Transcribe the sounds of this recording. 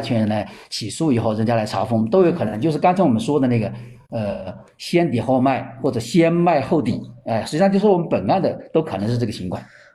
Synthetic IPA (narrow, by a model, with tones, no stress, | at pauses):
t͡ɕʰɥɛ˥nɻə˧˥nla˧˥ɪt͡ɕʰi˨˩ʂu˥˩i˨˩xo˥˩ʊɻə˧˥ŋt͡ɕja˥la˧˥ɪʈ͡ʂʰɑ˧˥ʊfʊ˥ŋt̪o˥ʊjo˥ʊkʰɤ˨˩nə˧˥ŋt͡ɕo˥˧ʊʂɻ̩˥˧kɑ˥nt͡sʰa˧˥ŋwɔ˨˩mə˦nʂwɔ˥d̪ə˨na˥˩ɡə˩ə˧ | ɕjɛ˥nt̪̬jɛ˨˩xo˥˧ʊma˥˩ɪxwɔ˥˩ʈ͡ʂɤ˨˩ɕjɛ˥nma˥˧ɪxo˥˩ʊt̪i˨˩˦ɛ˥˧ʂɻ̩˧t͡ɕi˥ɑ˥˧t͡ɕjo˥˧ʊʂwɔ˨˩mə˦npə˨˩na˥˩nd̪ə˨t̪o˥ʊkʰɤ˨˩nɤ˧˥ʂɻ̩˥˧ʈ͡ʂɤ˥˩ɡə˩t͡ɕʰi˧˥ŋkʰwa˥˩˦